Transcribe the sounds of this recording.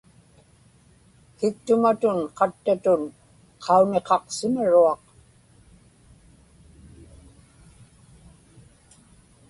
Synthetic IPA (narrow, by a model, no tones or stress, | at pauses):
kɪk̚t̪ʊmat̪ʊnqɑt̪ːat̪ʊn | qʰɑune̞qɑqsɪmaɻuɑq